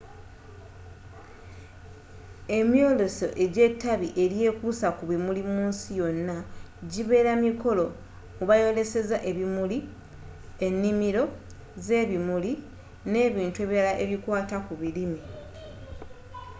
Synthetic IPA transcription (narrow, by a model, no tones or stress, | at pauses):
e̞mjo̞ːlo̞so̞ʔe̞ɟe̞tːaβiʔe̞ɾje̞ːkusakuβimulimuːnsijo̞nːa | ɟiβe̞ːɾamiko̞lo̞ | muβajo̞le̞se̞zaʔe̞βimuli | e̞nːimiɾo̞ | ze̞ːβimuli | ne̞ːβiːntue̞ːβiɾalaʔe̞βikwaːtakuβilimi